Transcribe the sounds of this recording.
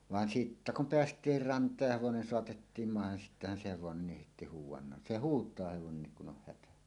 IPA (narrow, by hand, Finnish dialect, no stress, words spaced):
ʋɑˑen sitːæ kum peæstˑiːr rɑntˑɑːj jɑ heʋonen soɑtetːiːm mɑˑehen sitːæhæn se heʋonenːih heˑitːi huːwˑɑnːɑn se huːtˑɑː heʋonenːik kun oh hætæ